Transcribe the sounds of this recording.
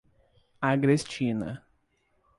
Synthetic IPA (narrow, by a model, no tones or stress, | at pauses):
aɡɾest͡ʃĩnɐ̰